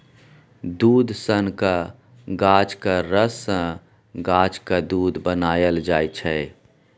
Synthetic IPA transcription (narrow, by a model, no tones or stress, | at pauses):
d̪uːd̪sənka | ɡaːd͡ʒkaɾəsə̃ | ɡaːd͡ʒkad̪uːd̪bənaːjəld͡ʒaːjt͡ʃʰɛ